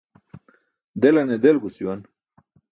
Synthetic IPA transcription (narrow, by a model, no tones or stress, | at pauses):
d̪elɐned̪elɡusiwɐn